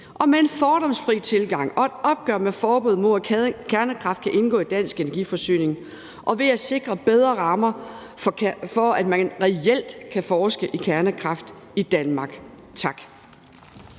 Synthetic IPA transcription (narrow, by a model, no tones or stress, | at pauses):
ʔɒ̽mee̝nfɒːɾ̥ɒ̽msfʁit͡sʰe̝lɡ̥ɑ̈ŋ̰ɒ̽e̝d̥ɒ̽b̥̚ɡ̥œɐ̰mefɒːb̥uð̩̰ˠmo̰kʰæɐnəkʰʁɑ̈fd̥̚kʰæʔe̝nɡ̥ɔ̰ːid̥æn̰sɡ̥e̝nɐɡ̥ḭfɒ̽sy̰ːne̝ŋ | ʔɒ̽ʋe̝æse̝ɡ̥ʁɐb̥eð̞ˠʁɐʁɑ̈ːmɐ | fɒ̽æd̥mænʁɛel̰d̥kʰæfɒːsɡ̥əʔikʰæɐnəkʰʁɑ̈fd̥ | id̥ænmɑ̈ɡ̥ | t͡sʰɑ̈ɡ̥